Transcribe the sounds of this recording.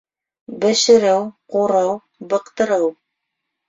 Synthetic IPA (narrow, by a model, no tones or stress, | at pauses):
bɘ̆ʃɘ̆ɾɘwquɾɤw | bɤ̆qt̪ɤ̆ɾɤw